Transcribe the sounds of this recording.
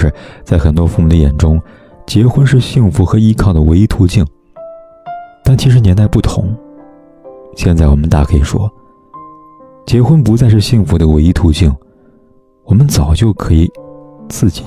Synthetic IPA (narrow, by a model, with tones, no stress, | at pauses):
ɻ̩˥˧t͡sa˥˩ɪxə˨˩nt̪wɔ˥fu˥˩mu˨˩d̪ə˧jɛ̰˨˩nʈ͡ʂʊ˥ŋ | t͡ɕjɛ˧˥xwə˥nʂ̬ɻ̩˥˧ɕi˥˩ŋfu˧˥xɤ˧˥i˧˥kʰɑ˥˩ŋd̪ə˩we˧˥ɪi˥t̪ʰu˧˥t͡ɕi˥˩ŋ | t̪a˥˩nt͡ɕʰi˧˥ʂ̬ɻ̩˧˥njɛ˧˥nt̪a˥˧ɪpu˥˩t̪ʰʊ̰˧˥ŋ | ɕjɛ˥˧nt͡sa˥˩ɪwɔ˨˩mə˦nt̪a˥˩kʰɤ˧˥i˨˩ʂwɔ̰˥ | t͡ɕjɛ˧˥xwə˥npu˧˥t͡sa˥˧ɪʂ̬ɻ̩˥˧ɕi˥˩ŋfu˧˥d̪ə˧we˧˥ɪi˥t̪ʰu˧˥t͡ɕi˥˩ŋ | wɔ˨˩mə˦nt͡sɑ˨˩ʊt͡ɕjo˥˩ʊkʰɤ˧˥i˨˩t͡sɹ̩˥˩t͡ɕi̥˨˩